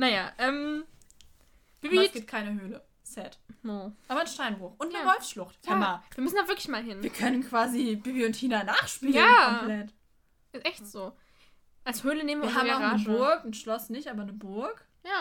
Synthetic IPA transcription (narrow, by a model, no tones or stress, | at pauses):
najaːʔɛm | b̥ibisɡ̥iːp̚t̚kʰaɪnəhøːlə | sɛtmoʔaːbɐnʃtaɪnʁoːxʔʊntnəʁɔʏfsʃlʊχtʔɪmaviɐmʏsndaːvɪɐklɪçmaːlɦɪnviːɐkʰœnənkv̥aːzibibiʊnthʰiːnanaːχʃpiːjaəːɔmmplɛt | ʔɪstʔɛçtz̥oː | ʔalshøːləneːmnviɐɪɦaːmɡmaʊʁaːnəbʊɐkn̩ʃlɔsnɪçtʔaːbɐnəbʊɐk | jaː